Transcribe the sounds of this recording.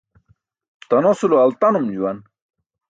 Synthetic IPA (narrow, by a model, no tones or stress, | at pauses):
t̪ɐnosuloɐlt̪ɐnumd͡ʑuwɐn